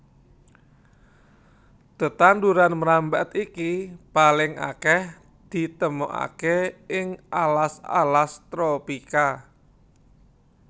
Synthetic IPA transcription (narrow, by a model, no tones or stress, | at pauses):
t̪ət̪and̪uɾanməɾambɛt̪ikipalɪŋa̰kɛh | d̪̥i̤t̪əmo̰ʔa̰keɪŋʔalasa̰last̪ɾopika